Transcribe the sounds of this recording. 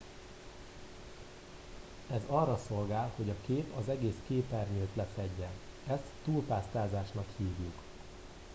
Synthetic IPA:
ɛzɒrːɒso̞lɡaːlho̞ɟɒkeːpɒzɛɡeːskeːpɛrɲøːt̪lɛfɛɟːɛn | ɛst̪ːuːlpaːst̪aːzaːʃnɒkhiːvjuk

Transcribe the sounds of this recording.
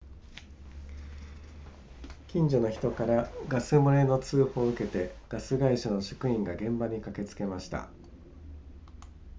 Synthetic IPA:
kʲĩɲ̟d͡ʑo̞no̞çi̥t̪o̞kaɾaɡasɨmoe̞no̞t͡sɨːho̞ːɯ̟ke̞t̪e̞ɡ̥asɨɡaiɕano̞ɕo̥kɯ̟ĩŋɡaɡẽ̞mbaɲ̟ikake̞t͡sɨ̥ke̞maɕi̥t̪a̰

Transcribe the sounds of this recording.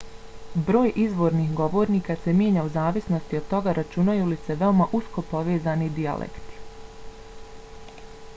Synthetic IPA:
bɾo̞ːjʔizʋo̞ːɾnixɡo̞ʋo̞ːɾniːkase̞mje̞ːɲauzaːʋisno̞st̪io̞d̪̚t̪o̞ɡaɾʔat͡ʃunajulise̞ʋe̞omaʔusko̞po̞ʋe̞ːzaːnid̪ia̰lʔḛkt̪i̥

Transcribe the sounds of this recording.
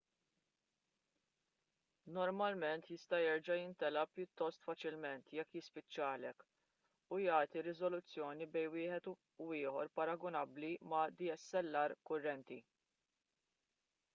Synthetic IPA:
nɔɾmɐlmɛnt̪jɪst̪ɐjɛɾd͡ʒɐjɪnt̪ɛlɐpːjʊt̪ːɔst̪fɐt͡ʃɪlmɛnt̪jɛkːjɪspɪt͡ʃːɐːlɛk | ujɐːt̪iɾɪzɔlʊt͡sːjɔːnibɛjnwɪːħɛt̪ | wɪːħɔɾpɐɾɐɡɔnɐblimɐd̪iɛsːɛlːɐɾkʊrːɛnt̪i

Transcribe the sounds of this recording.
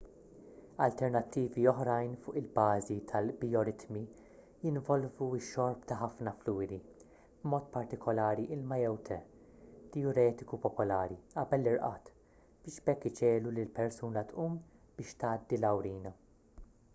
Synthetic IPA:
ɐlt̪ɛɾnɐt̪ːiːviɔħɾɐjnfʊːʔɪlbɐːzit̪ʰɐlbijɔɾɪt̪mi | jɪnvɔlvuɪʃːɔɾpt̪ɐħɐfnɐfluːɾi | bmɔːt̪pɐɾt̪ɪkɔlɐːɾiʔɪlmɐjɛwt̪ʰɛ | t̪ɛɔɾɛːt̪ɪkupɔpɔlɐːɾiʔɐbɛlːɪɾʔɐ̰ːt̪ | b̥ɪːʃbɛkːɪt͡ʃɛːlulɪlpɛɾsuːnɐt̪ʔuːm | b̥ɪːʃt̪ɐːd̪ːilɐwɾiːnɐ

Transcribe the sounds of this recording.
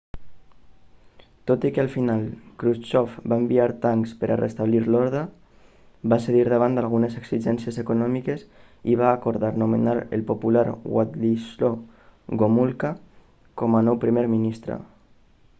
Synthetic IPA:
t̪ot̪ikəalˠfinalˠkɾut͡ʃɔfbaembiaɾt̪aŋkspəɾʔarḛst̪aβliɾlɔɾða | baseðiɾðəβ̞and̪alˠɣ̞unezeksiʒɛnsjezekunɔmikes | iβ̞aːkoɾðaɾnumḛnaɾḛlpopulaɾwa̰t̪lisloɣomulka | kɔmanɔwpɾimeɾminist̪ɾə̰

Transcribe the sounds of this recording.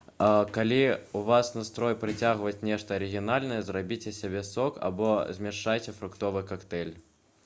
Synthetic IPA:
kalʲiuvasnast̪ɾɔjpɾɨt͡sʲaɣvɐt͡sʲnʲɛʂt̪ɐɐɾɨɣʲinalʲnɐjɛzrabʲit͡sʲɛsʲabʲɛsɔka̰bɔzʲmʲɛʂajt͡sʲɛfɾukt̪ɔvɨkakt̪ɛlʲ

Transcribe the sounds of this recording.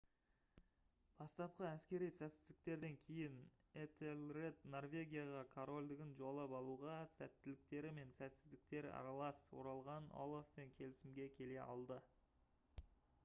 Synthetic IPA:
b̥ɑst̪ɑp̚qəæskʲe̞ɾijsæt̪sɪzd̪ɪkt̪e̞ɾd̪e̞ŋkʲʰe̞jɪn | et̪elre̞t̪no̞rvʲe̞ɡʲijaʁɑkʰoɾo̞lʲd̪ɪɡʲɪnʒolˠɑpɑlˠuʁɑsæ̰t̪ːɪlɪk̚t̪e̞ɾɪme̞nsæt̪sɪzd̪ɪk̚t̪e̞ɾ̰ɑ̰ɾɑlˠɑswo̞̰ɾɑlˠʁɑno̞̰lˠofpe̞ŋkʲʰe̞lɪsɪmɡʲe̞kʲʰe̞le̞ʔɑ̰lˠd̪ə

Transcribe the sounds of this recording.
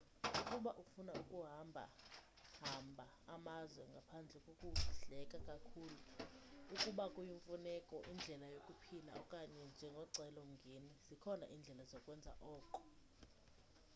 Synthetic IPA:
ukʼuɓaʔufunaukʼuɦambʱa̰ | ɦambʱaːmazwɛŋɡʱapʰand͡ɮʱɛkʼokʼuɬɛkʼakʼakʰuːluukʼuɓakʼujiɱfunɛkʼɔʔind͡ɮʱɛlajokʼupʰila̰ɔkʼaɲɛnd͡ʒʱɛŋɡʱɔǀʱɛlɔŋ̩ŋɡʱenizikʰɔna̰ʔind͡ɮʱɛlazɔkʼwɛnd͡zʱa̰ʔɔːǃɔ̥

